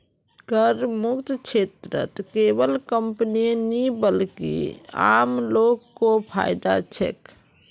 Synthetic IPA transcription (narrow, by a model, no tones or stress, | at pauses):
ɡəɾmukt̪t͡ʃʰet̪ɾə̰t̪kebəlkəmpəninibəlkḭa̰mlokːopʰa̰jd̪a̰t͡ʃʰḛk